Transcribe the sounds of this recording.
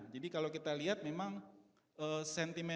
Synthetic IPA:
d͡ʒadikalawkit̪aliɦat̪̚memaŋ | ʔəsɛnt̪imɛ

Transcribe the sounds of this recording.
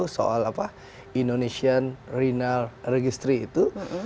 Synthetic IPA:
uso̰ʔalapa | indonesianrinalreɡist̪ɾiːt̪u

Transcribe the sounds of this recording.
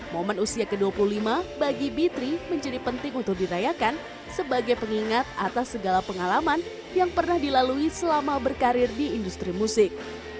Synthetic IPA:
momənusiakəduapululimabaɡibit̪ɾiməɲd͡ʒadipənt̪ɪŋunt̪ʊk̚diɾajakan | səbaɡajpəŋiŋat̪̚a̰t̪asːəɡalapəŋalaman | jaŋpərnahdilaluisəlamabərkaɾɪrdiːndust̪ɾimusɪk̚

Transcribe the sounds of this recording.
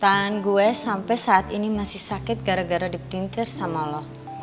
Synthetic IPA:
t̪anɡuɛsampɛsaʔːt̪inimasɪhsakɪt̪̚ɡaɾaɡaɾadipɾint̪ɪrsamalɔh

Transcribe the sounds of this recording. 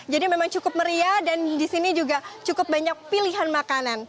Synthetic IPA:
d͡ʒadimemaŋt͡ʃukʊp̚məɾiadandisinid͡ʒuɡat͡ʃukʊp̚baɲak̚piliɦanmakanan

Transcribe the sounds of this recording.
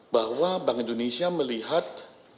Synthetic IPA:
bahwabaŋindonesiaməliɦat̪̚

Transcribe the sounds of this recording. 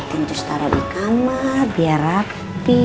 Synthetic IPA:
t̪int͡ʃ̪ust̪aɾɔdikamabiaɾa | ppi

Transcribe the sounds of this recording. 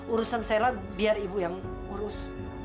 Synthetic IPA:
uɾusansela | biaribujaŋ | uɾʊs

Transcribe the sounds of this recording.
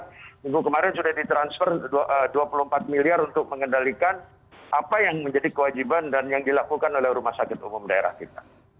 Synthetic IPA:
iɡukəmaɾɛnsudahdit̪ɾansfɛrdduapuluhəmpat̪̚miliaɾunt̪ʊk̚məŋəndalikan | ʔapajaŋməɲd͡ʒadikəwad͡ʒibandanjaŋdilakukanolɛhɾumasakɪt̪umʊmdaeɾa̰hkit̪a

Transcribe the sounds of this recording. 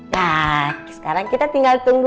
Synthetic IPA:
jasə̥kaɾaŋkit̪at̪iŋɡalt̪uŋɡu

